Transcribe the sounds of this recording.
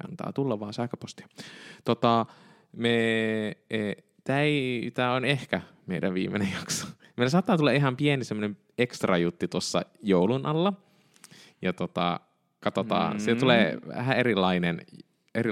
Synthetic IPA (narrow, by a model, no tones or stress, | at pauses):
ɑ̰nt̪ɑ̰ːt̪ulːɑʋʋɑːnsæhkøpost̪i̥ɑt̪ot̪ɑ | me | e | t̪æit̪æonehkæ | meidæ̰ʋʋḭːmːˑḛnejjɑkso̥ | meilːæsɑːt̪ːɑːt̪ulːɑiɦɑmpienisemːonem | ekst̪rɑjut̪ːit̪osːɑ̰joulunʔɑlːɑ | jɑt̪ot̪ɑ̰ | kɑt̪ot̪ɑ̰ːnsiæt̪ulḛːʋæ̰hæerilːˑɑinen | eri